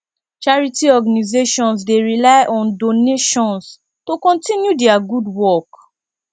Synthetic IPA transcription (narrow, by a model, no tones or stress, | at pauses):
t͡ʃaɹitiɔɡanizeʃɔ̃nsdeɹilaɪʔɔ̃ndoneʃɔ̃ns | tokɔ̃ntĩnjudɛaɡudwɔk